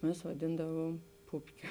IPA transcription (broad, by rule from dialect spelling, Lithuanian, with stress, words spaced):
ˈmʲɛs ʋɐˈdʲɪndɐʋuɔm ˈpʊpʲkʲoː